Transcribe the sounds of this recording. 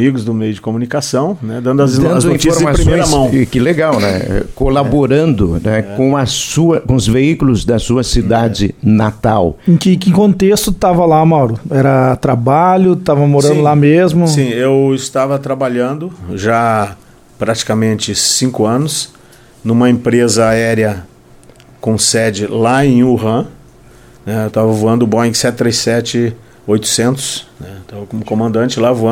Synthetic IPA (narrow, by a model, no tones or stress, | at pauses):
miɡʊzd̪ʊmejʊd͡ʒɪkomunikasɐ̃w̃nɛd̪ɐ̃nd̪ʊɐz̃d̪ɐ̃nzd̪oĩt͡ʃifosɾzmassɾĩjɾamoɐ̃w̃kɪleɡawnɛ̰ɛ̰kolaboɾɐ̃nd̪ʊnɛkõɐsuɐkõʊzveikʊlʊzd̪ɐsuɐsid̪ad͡ʒɪnat̪awẽkɪkɪ̃kõnt̪est̪ʊt̪avɐlamawɾʊɛɾɐt̪ɾabaʎʊt̪avɐmoɾɐ̃nd̪ʊlamezmʊĩewɪst̪avɐt̪ɾabaʎɐ̃nd̪ʊʒa | pɾat͡ʃi̥kɐmẽnt͡ʃɪsĩŋkʊɐ̃nʊs | nũmɐẽpɾezɐaɛɾjɐ | kõsɛd͡ʒɪlaẽj̃uɦɐ̃ | nɛewt̪avɐvuɐ̃nd̪ʊbõĩɡsɛt̪ɪt̪ɾejsɛt͡ʃɪ | ojt̪ʊ̥sẽnt̪ʊ̥snɛt̪ɐ̃wvɐkõmʊkõmɐ̃nd̪ɐ̃nt͡ʃɪlavuɐ̃